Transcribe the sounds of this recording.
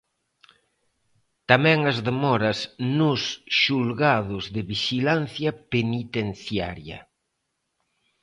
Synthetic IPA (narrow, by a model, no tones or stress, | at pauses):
t̪amɛ̃ŋɐzðemɔɾɐsnʊsʃulɣaðʊzðɪβiʃilanθjɐpenit̪en̟θjaɾjɐ̰